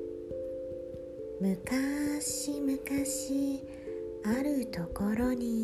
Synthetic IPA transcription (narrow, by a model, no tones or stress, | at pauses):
mɯkaɕimɯ̟kaɕi | aɾɯ̟t̪o̞koɾo̞ɲi